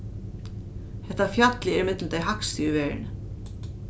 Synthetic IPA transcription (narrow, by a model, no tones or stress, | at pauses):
hɛht̪ːafjat̪lɪɛɾmɪt̪lt̪aːjɦakst̪iʏvɛːɹɪ̰nɪ